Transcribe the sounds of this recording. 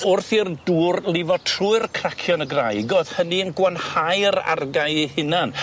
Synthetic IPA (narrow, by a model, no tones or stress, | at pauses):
ʊrθirduːrlˠɪvɔtʰruɨrkʰr̥akʰjɔnəɡrajɡɔð̥həniənɡwanhajəɾa̰rɡaɨihɨnan